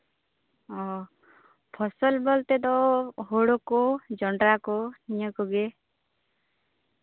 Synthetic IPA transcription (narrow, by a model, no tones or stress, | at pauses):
ɔ | pʰɔsɔlbɔlt̪ed̪ɔɦoɽokɔd͡ʒɔɳɖɾakɔnijɔkɔɡe